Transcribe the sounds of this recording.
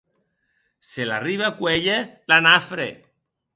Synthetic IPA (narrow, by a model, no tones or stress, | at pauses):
sela̰riβakweʎelanafɾḛ